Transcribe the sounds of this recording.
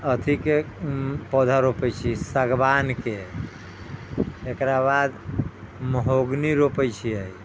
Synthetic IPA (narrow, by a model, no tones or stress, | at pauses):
ət̪ʰike | pɔd̪ʱaɾopəjt͡ʃʰisəɡbanke | ekɾabad̪ | məɦoɡniɾopəjt͡ʃʰiəj